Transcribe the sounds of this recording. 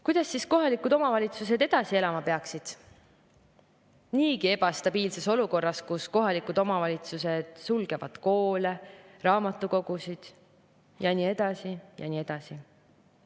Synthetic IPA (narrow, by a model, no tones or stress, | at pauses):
kujd̪̥ɑsːisko̞ɦɑlikˑud̪o̞mɑvɑlʲit̪sus̬e̞d̪̥e̞d̪̥ɑsie̞lɑmɑpe̞ɑksid̪̥ | niːkie̞b̥ɑst̪ɑb̥iːlse̞so̞luko̞rːɑskusko̞ɦɑlikˑud̪̥o̞mɑvɑlʲit̪suse̞d̪̥sulɡ̥e̞vɑd̪̥ko̞ːle̞rɑːmɑt̪ːˑuko̞ɡ̥usid̪̥ | jɑniːe̞d̪̥ɑsijɑ̰niːe̞d̪̥ɑsi